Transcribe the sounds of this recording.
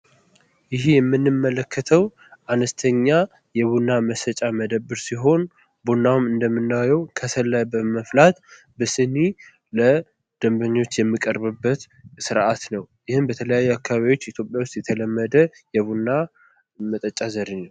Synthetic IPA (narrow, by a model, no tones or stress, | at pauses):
jɪɦjɛmːɨnːɨmːələkːət̪ʰəw | ʔanəst̪ʰəɲːa | jɛβunːaməsət͡ʃʼaməd̪əbːɨɾsiɦo̞n | bunːamɨnd̪əmːɨnːawjɛwkʰəsʰəlːəjbəməflat̪ | bəsɨnːi | lə | d̪̥əmbəɲːo̞t͡ʃːjɛmːikʼəɾbɨbːət̪ | sɨɾʔat̪nəwjɪhɨnbət̪ʰələjajːuakʰːaβaβiwo̞t͡ʃːit̪ʰjo̞pʼjawʊst̪jɛt̪ʰələmːəd̪ə | jɛβunːa | mət̪ʼət͡ʃʼazəɾɨɲːəw